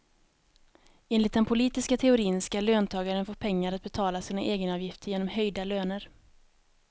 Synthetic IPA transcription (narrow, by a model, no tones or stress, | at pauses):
ʔeːnlɪt̪̚d̪ɛnpʰʊliːt̪ɪskat̪ʰɛʊɾiːnskaløːnt̪ʰɑːɡaɾənfoːɾpʰɛŋːaɾat̪̚bɛt̪ʰɑːlasiːnaʔeːɡənɑːvjɪft̪əɾjeːnɔmɦœjd̪aløːnəɾ